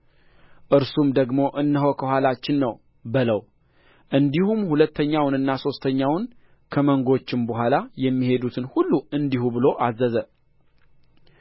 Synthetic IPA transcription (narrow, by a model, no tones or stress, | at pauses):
ʔɨɾsumd̪əɡmo̞ʔɨnːəɦokʰəhʷalat͡ʃːɪnːəw | bɨləw | ʔɨnd̪ihumhulət̪ʰːəɲːawnɨnːaso̞st̪ʰəɲːawn | kʰəməŋɡo̞t͡ʃːɪmbəɦʷalajɛmːihe̞d̪ut̪ʰɨnhulːuɨnd̪ihubɨlo̞ʔazːəzə